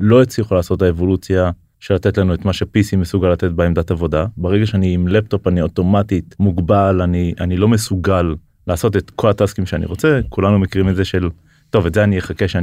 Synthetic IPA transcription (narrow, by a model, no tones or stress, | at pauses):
lo̞et͡sliχulaːsot̪aevo̞lut͡sja | ʃe̞lat̪etlanuetmaʃe̞pisimesuɡalːatet̚beemd̪atavo̞dabeʁeɡaʃeaniːmlepto̞panioto̞matitmuɡbalaniʔanilo̞mesuɡalː | aːso̞t̬et̪kʰo̞lataskimʃeanḭʁo̞t͡sekulanumekiʁimetzeʃe̞l | to̞vetzeanijeχakeʃea